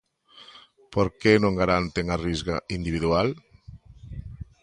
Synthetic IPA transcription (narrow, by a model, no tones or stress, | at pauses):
poɾkenõŋɡaɾant̪eŋarizɣa̰ind̪iβiðual